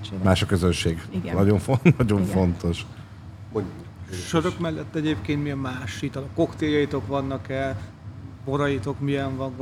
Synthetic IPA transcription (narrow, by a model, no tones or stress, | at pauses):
maːʃɒkøzønʃeːɡnɒɟoɱfonɒɟo̞ɱfo̞nt̪o̞ʃ | moɲu | ʃøɾøkmɛlːɛt̪ːɛɟeːpkeːnt̪miɒmaːʃit̪ɒlɒkːo̞kt̪eːjɒjit̪o̞kʋɒnːɒkɛl | boɾɒjit̪o̞kmiɛɱvɒn